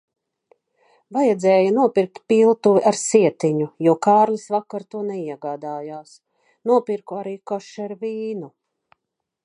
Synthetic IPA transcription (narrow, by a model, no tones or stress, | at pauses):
vajɛd̪zɛːjanuɔpiɾk̚t̪̚pilˠt̪uviʔaɾsiɛt̪iɲujuɔkaːɾlisvakːaɾt̪uɔnɛiɛɡaːd̪aːjaːs | nuɔpiɾkuaɾiːkɔʃaɾviːnu